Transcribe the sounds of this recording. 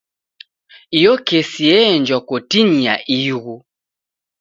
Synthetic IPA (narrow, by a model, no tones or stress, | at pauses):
ijɔkesiɛnd͡ʒɔkotiɲiaʔiɣu